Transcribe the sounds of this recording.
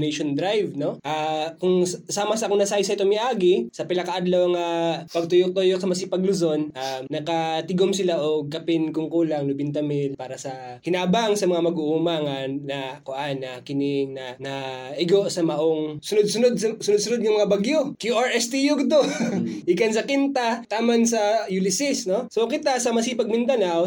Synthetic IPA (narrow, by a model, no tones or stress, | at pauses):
nɛjʃond̪ɾajvno̞ʔakʊŋssaːmɐsɐɐkoŋnɐsajsɐɪt̪omɪʔaːɡɪsɐpɪlɐkɐʔad̪lowɐŋapɐɡ̚t̪ʊjok̚t̪ojok̚sɐmɐsɪpɐɡlʊzo̞nʔaːɐkɐt̪ɪɡomsɪlaʔoɡ̚kːɐpɪnkʊŋkuːlɐŋlʊbɪnt̪ɐmɪlpaːɾɐsɐ | hɪnaːbɐŋsɐmɐŋamɐɡʊʔumaŋaːɐkʊʔanːɐkɪnɪŋnɐnɐʔɪɡoʔsɐmɐʔoŋsʊnʊd̪̚sʊnod̪̚sʊnʊd̪sʊnʊd̪̚jʊŋmɐŋabaɡjokjuʔaɹʔɛst̪ijuɡd̪oʔikɐnsɐkint̪at̪aːmɐnsɐjulɪsɪsno̞sokɪt̪asɐmɐsipɐɡ̚mɪnd̪ɐnaw